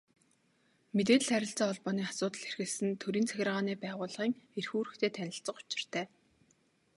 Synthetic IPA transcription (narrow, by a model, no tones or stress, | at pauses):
met̪̬eːt̪̆ɮχæɾʲɪ̆ɬt͡saːɔɮpɔːniːasʊːt̪ə̆ɮerxɘ̆ɮsɘ̆nt̪ʰɵɾiːnt͡sʰæxʲɪ̆rʁaːniːpæːʁʊːɮʁiːŋerxuːɾɘ̆xt̪ʰeːt̪ʰænʲɪ̆ɬt͡sə̆qʊ̥t͡ɕɪ̥̆r̥t̪ʰæː